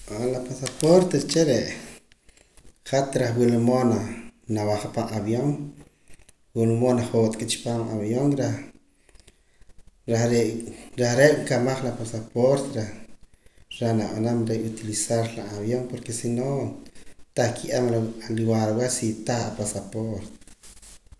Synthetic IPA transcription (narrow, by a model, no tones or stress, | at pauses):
alapasapoɾt̪et͡ʃeɾeʔ | χat̪ɾaχwilmonanawaχapaʔaβjoŋ | wilmonaχoːt̪ʼkʼit͡ʃi̥paːmaβjoŋɾa | ɾaɾeɾaχɾeʔkamaχlapasapoɾt̪ɾa | ɾanaɓanamɾeʔut̪ilisaɾlaaβjoŋpoɾkesino | t̪aχkʰiʔamliwaɾwesit̪aχapasapoɾt̪